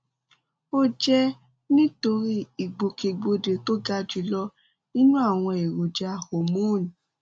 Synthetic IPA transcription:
o˦d͡ʒɛ˦ | nĩ˦to˧ɾi˦i˨ɡ͡bo˨ke˨ɡ͡bo˧de˨˧to˦ɡa˦d͡ʒu˧˦lɔ˦ | nĩ˦nũ˦a˦˨w̃ɔ̃˧e˨ɾo˨d͡ʒa˧ho˨mũ˦˨nĩ˨

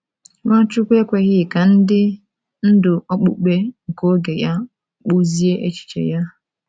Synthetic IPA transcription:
wa˦t͡ʃʊ˦kʷe˦kʷe˨ɣɪ˦˨ka˨n̩˦dɪ˦ | n̩˦dʊ˨ʔɔ˦k͡pṵ˨k͡pe˦ŋ̩˨ko˦ɡe˨ja˦ | k͡pu˦zi˦e˦ʔe˦t͡ʃi̥˨t͡ʃḛ˨ja˦

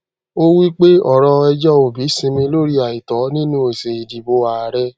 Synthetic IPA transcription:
o˦wi˦k͡pe˦ɔ˦˨ɾɔ̃˧ɛ˧d͡ʒɔ˦o˨bi˨˦sĩ˧mĩ˧lo˦ɾi˦a˨i˨tɔ˨˦nĩ˦nũ˦e˨se˨i˨di˨bo˧˦a˨a˨ɾɛ˦

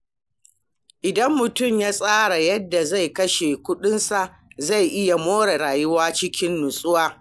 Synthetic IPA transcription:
ʔɪ˨dɐ˦mːʊ˨tʊ˦˨mjaː˦sʼaː˦ɽa˨jɐ˦dːa˨za˦˨jkɐ˦ʃeː˨kʷʊ˦ɗʊ˦nsa˨ʔ | za˦˨jʔɪ˦ja˨moː˦ɽa˨ɾaː˨jʊ˦waː˦t͡ʃɪ˦kʲɪ˦nːʊ˨sʼʊ˦waː˦

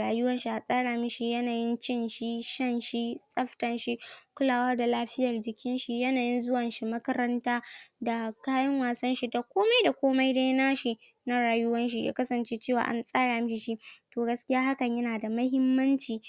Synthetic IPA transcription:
ɽaː˨jʊ˦wɐ˦nʃi˦ʔa˨sʼaː˦ɽaː˨mɪ˦ʃi˦jɐ˦naː˨jɪ˦nt͡ʃɪ˦nʃi˦ʃɐ˦˨nʃi˦sʼɐ˦ɸtɐ˨nʃi˦kʷʊ˦laː˨waː˦da˨laː˦ɸɪ˦jɐ˨rd͡ʒɪ˨kʲɪ˦nʃi˨jɐ˦naː˨jɪ˦nzʊ˦wɐ˨nʃi˦mɐ˦kɐ˦ɾɐ˦ntaː˦da˨kaː˦jɐ˦ŋwaː˨sɐ˦nʃi˦da˨kʷoː˦ma˦jda˨kʷoː˦ma˦jda˦jnaː˦ʃi˨ | na˦ɽaː˨jʊ˦wɐ˦nʃ̬i˦ja̰ː˦kɐ˦sɐ˨nt͡ʃeː˦t͡ʃeː˦˨wa̰ː˨ʔa̰˨nsʼaː˦ɽaː˨mɪ˦ʃi˨ʃi˦toː˨ɡɐ˦skʲɪ˦jaː˦ha˦kɐ˨ɲjɐ˦naː˨da˨mɐ˦ɦɪ˦mːɐ˦nt͡ʃiː˨

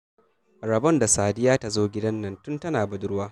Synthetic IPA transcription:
ɾɐ˨bɔ˦nda˨saː˨dɪ˦jaː˦ta˨zoː˦ɡʲɪ˦dɐ˦nːɐ˦ntʊ˦ntɐ˦naː˨bɐ˦dʊ˦ɾwaː˦

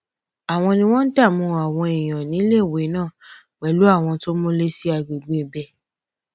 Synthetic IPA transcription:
a˨w̃ɔ̃˧nĩ˧w̃ɔ̃˦n̩˦ta˦˨mũ˧a˨w̃ɔ̃˧i˨j̃ɔ̃˨nĩ˨˦le˦˨we˨˦nãː˦˨ | k͡pɛ˨˦lu˨˦a˦˨w̃ɔ̃˧to˦mo˦le˦si˦a˧ɡ͡be˨ɡ͡be˨bɛ˧˦

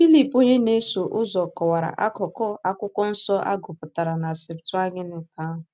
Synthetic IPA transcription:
fi˦li˦˨po˦ɲe˦ne˦so˨ʔʊ˦zɔ˨kɔ˨wa˨ɾa̰˨ʔa˦kɔ˨kɔ˦a˦kʷʊ˦kʷɔ˦n̩˦sɔ˦ʔa̰˦ɡʊ˨pʊ˨ta˨ɾa˨na˨sɪ˨ptʊ˦a˦ɡɪ˦nɪ˨ta˦ɦʊ˨

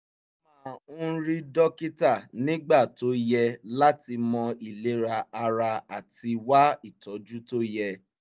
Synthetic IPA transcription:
mã˨˦˨ũ˦ɾi˦dɔ˦ki˦ta˦˨nĩ˦ɡ͡ba˦˨to˨˦jɛ˧la˦ti˧mɔ̃˧i˨le˨˦ɾa˧a˧ɾa˧a˨ti˧wa˦i˦˨tɔ˨˦d͡ʒu˦to˦jɛ˧

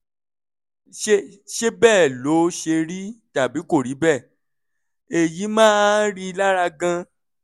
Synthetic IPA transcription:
ʃe˦ʃe˦bɛː˦˨lo˨˦ʃe˧ɾi˦ta˨bi˨˦ko˦˨ɾi˨˦bɛ˦˨ | e˨ji˨˦mãː˦ɾi˦i˧la˦ɾa˧ɡã˧

